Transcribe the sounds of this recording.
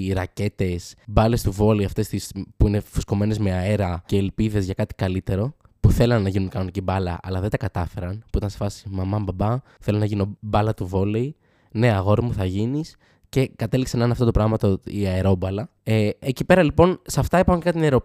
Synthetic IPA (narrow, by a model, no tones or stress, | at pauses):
ɾɐce̞t̪e̞sbɐle̞st̪uvo̞leiɐft̪e̞st̪ispuine̞fusko̞me̞ne̞zme̞aeɾɐceːlpiðe̞zʝɐkɐt̪i̥kɐlit̪e̞ɾo̞ | puθe̞lɐnːɐʝinunkɐno̞nicibɐlɐ̰ʔɐ̰lɐðe̞t̪ɐkɐt̪ɐfe̞ɾɐnpuit̪ɐnsfɐsi̥mɐmɐmbɐbɐ | θe̞lonɐʝinobɐlɐt̪uvo̞lei | ne̞ɐɣo̞ɾimuθɐʝinis | ce̞kɐt̪e̞likseɐneneɐft̪o̞t̪opɾɐɣmɐt̪oiɐeɾo̞bɐlɐ | eecipe̞ɾɐlipo̞nsɐft̪ɐipɐocekɐt̪ineɾo̞